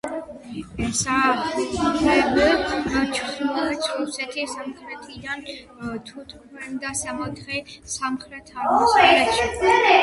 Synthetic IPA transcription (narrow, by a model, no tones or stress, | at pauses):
ɛsa | saɛbɛt͡ʃ̪ʰɛt̪sʰɾusɛt̪ʰisamχɾɛt̪ʰid̪an | t̪ʰut̪ʰʼ | vɛnd̪asamat̪ʰχɛsamχɾɛt̪ʰasɛɛʃɛ